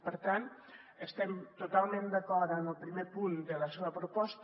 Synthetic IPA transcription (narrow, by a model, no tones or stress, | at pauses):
pəɾt̪an | əst̪ɛmt̪ut̪alˠmend̪əkɔɾənəlˠpɾimepund̪ələseβəpɾupɔst̪